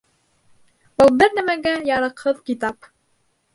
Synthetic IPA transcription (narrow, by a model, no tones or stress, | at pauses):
bɤlˠbɘɾnæmæɡæjɑɾɤ̆qhɤðkit̪ɑp